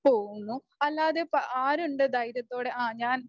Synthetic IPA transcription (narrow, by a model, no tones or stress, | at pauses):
po̞ːɣunːu | ɐlːaːðepʔaːɾuɳɖɨd̪ɐjɾɐt̪ːo̞ːɽeʔaːɲaːn